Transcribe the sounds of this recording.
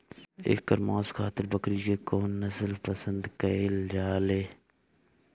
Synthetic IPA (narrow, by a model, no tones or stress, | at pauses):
ḛːkːəɾmaːskʰaːt̪ɪɾbəkɾiːkeːkoːnːəsəlpəsə̃nd̪kɐɪld͡ʒaːleː